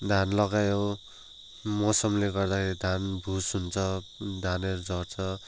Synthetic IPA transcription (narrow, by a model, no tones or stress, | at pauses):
d̪ʱanlʌɡajo | mʌsʌmleɡʌrd̪akʰeɾid̪ʱanbʱusɦunt͡sʰʌd̪ʱaneɾud͡zʌrt͡sʰʌ